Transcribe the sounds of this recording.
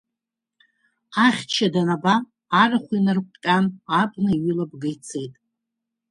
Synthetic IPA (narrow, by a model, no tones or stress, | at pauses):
aχʲt͡ʃʰadanabaː | ɾaχʷinɨrkʷʼtʲʼanabnɨiɥʏlab̚ɡajt͡sʰe̞jtʼ